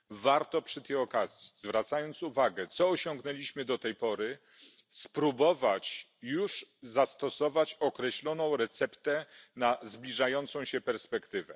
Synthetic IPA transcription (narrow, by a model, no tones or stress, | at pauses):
vaɾt̪ɔpʂɘt̪ɛjɔkazʲjizvɾat̪sajɔnt̪suvaɡɛt̪sɔːɕɔŋɡnɛlʲiɕmɘd̪ɔt̪ɛjpɔɾɘ | spɾubɔvat͡ɕ | juʐzast̪ɔsɔvat͡ɕɔkɾɛɕlɔnɔ̃w̃ɾɛt̪sɛpt̪ɛnazblʲiʐajɔnt̪sɔ̃w̃ɕɛpɛɾspɛkt̪ɘvɛ